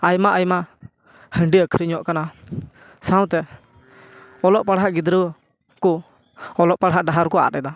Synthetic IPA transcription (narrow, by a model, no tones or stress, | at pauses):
ajmaʔajmaʔ | həɳɖiəkʰɾiɲɔʔkana | sãw̃t̪ɛ | ɔlɔʔpaɽɦaʔɡid̪ɾə | kɔ | ɔlɔʔpaɽɦaʔɖaɦaɾkɔa̰ɾɛd̪a